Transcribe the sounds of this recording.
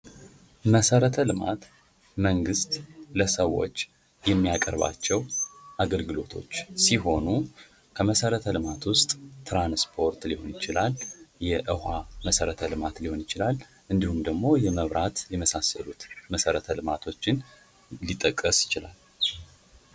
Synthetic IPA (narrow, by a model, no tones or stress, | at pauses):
məsəɾət̪ʰəlɨma̰t̪ | məŋɡɨst̪ləsəwːo̞̰t͡ʃː | jɛmːijakʼəɾβa̰t͡ʃːɛwʔaɡəlɡɨlo̞t̪ʰo̞̰t͡ʃːsiɦo̞nu | kʰəməsəɾət̪ʰəlɨmat̪wʊst̪ʼt̪ɾanspʰo̞ɾt̪liho̞njɪt͡ʃɪlaljɛʔɨhaməsəɾət̪ʰəlɨmat̪liho̞njɪt͡ʃɪlal | ʔɨnd̪ihumd̪əɡmo̞jɛməβɾʔat̪jɛməsasəlut̪məsəɾət̪ʰəlɨmat̪ʰo̞t͡ʃːɪn | lit̪ʼːəkʼːəsjɪt͡ʃɪla̰l